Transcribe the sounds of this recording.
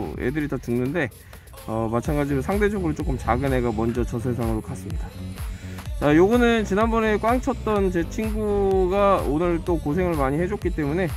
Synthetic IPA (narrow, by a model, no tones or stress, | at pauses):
ḛdɯɾitatɯŋnɯnde̞ | ʌmat͡ɕʰanɡad͡ʑiɾosʰaŋde̞d͡ʑʌɡɯɾot͡ɕ͈ok͈ɯmt͡ɕaɡɯne̞ɡamʌnd͡ʑʌt͡ɕʌsʰʌɭs̬ʰaŋɯɾokas͈ɯmɲida | t͡ɕajoɡʌnɯnt͡ɕinanbʌne̞k͈waŋt͡ɕʰʌt̚t͈ʌnt͡ɕe̞t͡ɕʰinɡuɡaonɯɭt͈okosʰe̞ŋɯɭmaɲihe̞d͡ʑok͈it͈e̞mune̞